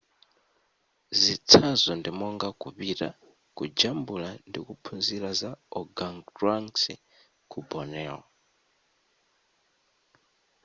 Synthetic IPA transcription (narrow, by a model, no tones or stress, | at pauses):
zit͡sʰazɔndimɔŋɡakuβiɾa̰ | kud͡ʒambulandikupʰunzilazaɔɡaŋaŋsi | kʰubɔnɛɔ